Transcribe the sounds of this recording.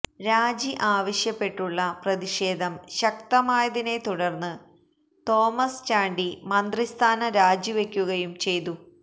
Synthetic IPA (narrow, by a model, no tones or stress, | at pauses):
ɾaːd͡ʑiʔaːʋɐɕjɐpːe̞ʈːuɭːɐprɐðiʂe̞ːd̪ʱɐmɕɐk̚t̪ɐmaːjɐðine̞t̪uɽɐrnːɨ | t̪o̞ːmɐst͡ɕaːɳɖimɐnd̪rist̪ʰaːnɐɾaːd͡ʑiʋe̞kʲːuɣɐjumt͡ɕe̞jt̪u